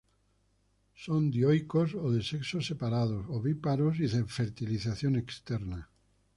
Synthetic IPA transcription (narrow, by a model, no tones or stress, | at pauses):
sond̪jojkosoðeseksosepaɾað̞osoβipaɾos̬iðeɱfeɾt̪iliθaθjonekst̪eɾna